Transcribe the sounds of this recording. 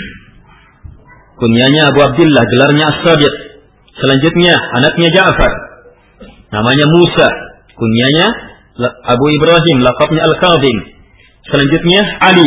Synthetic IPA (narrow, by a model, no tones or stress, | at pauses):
kuniaɲaːbuab̚d̪ɪlːahɡəlarɲaasːadɪq̚ | səlaɲd͡ʒʊt̪̚ɲaanak̚ɲad͡ʒaʔfar | na̰maɲamusa | kuniaɲa | abuibɾaɦɪmlaqɑp̚ɲaalkaðˤɪm | səlaɲd͡ʒʊt̪̚ɲaʔali